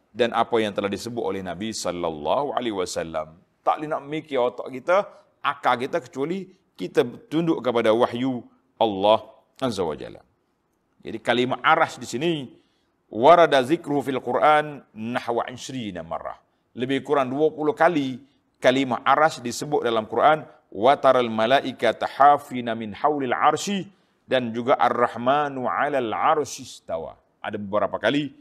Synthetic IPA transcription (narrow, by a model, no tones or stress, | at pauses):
danʔapajaŋt̪əlahdisəbʊt̪olɛhnabisɔlːa̰lːɑ̰hua̰lewasalːa̰m | t̪a̰ʔlinaʔməmikiɔt̪ɔ̰ʔkit̪a | ʔakalkit̪akə̥t͡ʃuali | kit̪at̪undʊʔkəpadawaħju | ʔalːɑh | ʔazawa̰d͡ʒa̰l | d͡ʒa̰dikalimahʔaɾasdisini | waɾˤɑdaðɪkɾuhufialqʊɾʔanːaħwa̰ʕɪ̰ʃɾiːnama̰rːa̰h | ləbɪhkuɾanduapuluhkali | kalimaʔaɾasdisəbʊt̪̚dalamkuɾʔan | wat̪aɾˤalmalaʔikat̪aħafinamɪnħawlalʕɑ̰ɾˤʃi | dand͡ʒuɡaʔarːɑħmanuʕalalʕɑɾˤʃist̪awa̰ | ʔa̰dabəbəɾapakali